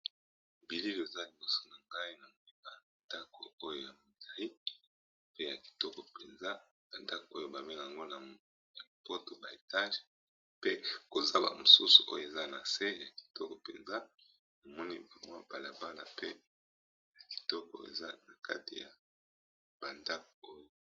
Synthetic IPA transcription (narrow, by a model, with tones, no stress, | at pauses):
o˨bi˨li˦lo˨e˨za˦li˨bo˦so̥˨na˨ŋɡa˦i˦na˨mo˨li˦ba˨nda˦kʰo̰˨o˦jo˦ja˨mu˨dʁi˦ | pe˦ja˨ki̥˨tɔ˦kɔ˨pe˨nza˦ | b̥a˨nda˦ko˨o˦jo˨ba˨me˦n˨a˨ŋɡo˦na˨ | na˨i˨po˦to˨ba˨e˨ta˦ʒe˨ | pe˦ko˨za˦ba̰˨mo˨su˦su̥˨ʔo̰˦jo˨e˨za˦na˨se˦˨ja˨ki̥˨tɔ˦kɔ˨pḛ˨nza˦ | mo˨mɔ˦ni˦ba˨mwa˦b̥a˨la˨ba˦la̰˨pḛ˦ | ja˨ki̥˨tɔ˦kɔ̰˨ḛ˨za˦na˨kʰa̰˦ti˨ja˨ | b̥a˨nda˦k̚o˨o˦jo˨